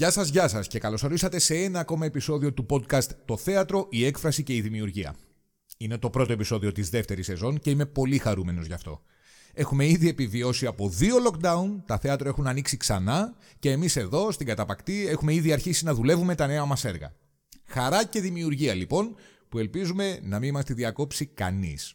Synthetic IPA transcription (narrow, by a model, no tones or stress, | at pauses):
ʝɐsɐzʝɐsɐsce̞kɐlo̞soɾisɐt̪e̞se̞e̞nɐːko̞mɐe̞piso̞ðio̞t̪upo̞d̪kɐst̪ːo̞θe̞ɐt̪ɾo̞ʔie̞kfɾɐsice̞iðimiuɾʝiɐ̰ | ine̞t̪o̞pɾo̞t̪o̞e̞piso̞ðio̞t̪izðe̞ft̪e̞ɾise̞zo̞nce̞ime̞po̞lixɐɾume̞no̞zʝɐft̪o̞̰ | e̞xume̞iðie̞pivio̞siɐpo̞ðio̞lo̞kd̪ɐunt̪ɐθe̞ɐt̪ɾoe̞xunɐniksiksɐnɐ | ce̞ːmise̞ðo̞st̪iŋɡɐt̪ɐpɐkt̪ie̞xume̞iðiɐɾçisinɐðule̞vume̞t̪ɐne̞ɐmɐse̞ɾɣɐ̰ | xɐɾɐce̞ðimiuɾʝiɐlipo̞n | pue̞lpizume̞nɐminimɐst̪iðiɐko̞psikɐ̰nḭs